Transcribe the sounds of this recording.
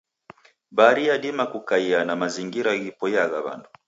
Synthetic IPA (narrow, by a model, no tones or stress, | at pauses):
baɾiaɗimakukaianamaziŋɡiɾaɣipɔjaɣaβa̰ndu